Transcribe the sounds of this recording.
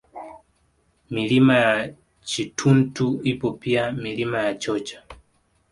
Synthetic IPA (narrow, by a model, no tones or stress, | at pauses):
milimaja | t͡ʃitʰuntuipɔpiamilimajat͡ʃɔt͡ʃḁ